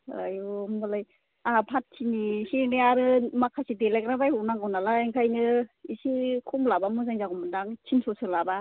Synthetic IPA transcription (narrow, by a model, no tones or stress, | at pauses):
a̰jomɔlaj | apʰat̚sʰinisiɾneaɾɯmakʰasidelakɾabajɔnaŋawnalaeŋkʰajnɯisikʰɔmlabamɯzaŋzaɡɔmɯdaŋt͡ʃʰinsʰɔsɯlaba